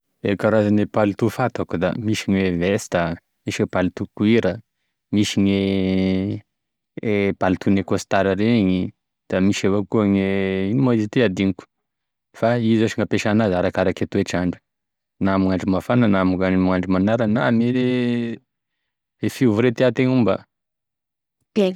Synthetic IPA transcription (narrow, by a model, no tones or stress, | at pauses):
ekaɾazanepalit̪ufat̪akud̪a̰miʃiɲwevest̪a | miʃepalit̪ukuiɾə | miʃiɲe | palit̪unekost̪aɾaɾeɲi | d̪̥amiʃavokuŋeinumaizit̪iad̪iŋku̥ | faizoʃiŋapeʃanazaɾakaɾaket̪ueʈ͡ʂaɳɖ͡ʐu̥ | namuŋaɳɖ͡ʐimafanənamuamuaɳɖ͡ʐimanaɾaname | efivuɾet̪eat̪eŋumbə̰ | e